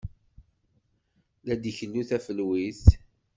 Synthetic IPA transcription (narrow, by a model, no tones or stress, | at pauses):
læd̪içəlːuθæfəlwiθ